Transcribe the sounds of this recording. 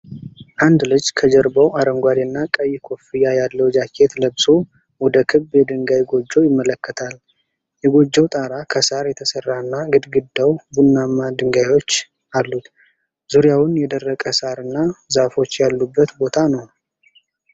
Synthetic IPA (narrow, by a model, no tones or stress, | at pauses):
ʔand̪lɨd͡ʒkʰəd͡ʒɛɾbəwaɾəŋɡʷad̪inːakʼəjːkʰo̞fijajalːəwd͡ʒakʰːe̞t̪ləbsʼo | wɔd̪əkʰɨbjɛd̪ɨŋɡajɡo̞d͡ʒːəwjɪmːələkːət̪ʰal | jɛɡo̞d͡ʒːəwt̪ʼaɾakʰəsaɾjɛt̪ʰəsərːanːaɡɨd̪ɡɨd̪ːəwbunːamːad̪ɨŋɡajo̞t͡ʃː | ʔalːut̪ | zuɾjawʊnjɛd̪ərːəkʼəsaɾɨnːazafo̞t͡ʃːjalːubːət̪bo̞t̪ʰanəw